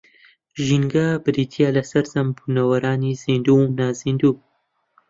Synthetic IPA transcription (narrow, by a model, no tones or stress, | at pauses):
ʒiŋɡɐbɨɾiːt̪ʰijalɐsɐɾzɐmbunɐwɐɾaːniz̥ind̪unaːzind̪uː